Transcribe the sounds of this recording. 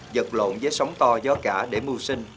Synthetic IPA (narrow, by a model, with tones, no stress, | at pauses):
zə˨˩k̚lo̰˧˨nzəː˨˦jsə˨˦wŋ͡mt̪ɔ˧zɔ˨˧˦kaː˧˩ɗe˧˩mu˧si˧ŋ̟